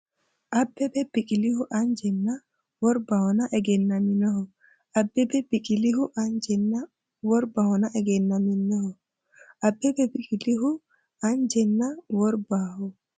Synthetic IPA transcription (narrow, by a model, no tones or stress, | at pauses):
ʔabːɛbɛb̥ikʼilihuʔand͡ʒɛnːa | wɔɾbahɔnaʔɛɡɛnːaminɔhɔ | ʔabːɛbɛb̥ikiliɦuʔand͡ʒɛnːa | wɔɾbahɔnaʔɛɡɛnːaminːɔhɔ | ʔabːɛbɛbikiliɦu | and͡ʒɛnːawɔɾbahɔ